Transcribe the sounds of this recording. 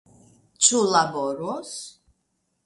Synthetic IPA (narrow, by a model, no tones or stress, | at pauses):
t͡ʃʰulabɔɾɔs